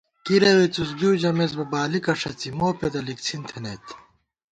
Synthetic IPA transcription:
kiɾewet͡sus̬ɡiwd͡ʑɐmes̬bɐbaːlikɐʂɐt͡simoːped̪ɐlikt͡sʰint̪ʰenet̪

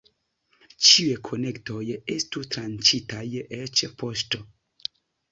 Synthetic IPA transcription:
t͡ʃiekʰo̞ne̞kto̞je̞stutɾant͡ʃitajet͡ʃpoʃto

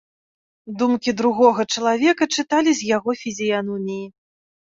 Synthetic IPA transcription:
d̪umkʲid̪ɾuɣɔɣɐt͡ʂɐlˠavʲɛkɐt͡ʂɨt̪alʲizʲjaɣɔfʲizʲijanɔmʲiji

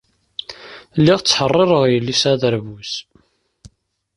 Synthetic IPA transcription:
lːiʁt͡sːħərˤːɪɾˤəʁjəlːisæðəɾvus

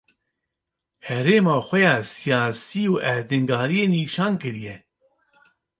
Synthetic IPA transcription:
hɛɾeːmɑːxʷɛjɑːsijɑːsiːuʔɛd̪ɨŋɡɑːɾijeːniːʃɑːnkɨɾijɛ

